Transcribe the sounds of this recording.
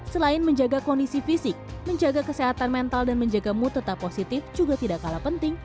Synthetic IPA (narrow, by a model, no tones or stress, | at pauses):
səlaɪnməɲd͡ʒaɡakɔndisifisɪk̚məɲd͡ʒaɡakəseɦat̪anmɛnt̪aldanməɲd͡ʒaɡamut̪ət̪apːosit̪ɪfd͡ʒuɡat̪idaʔkalapənt̪ɪŋ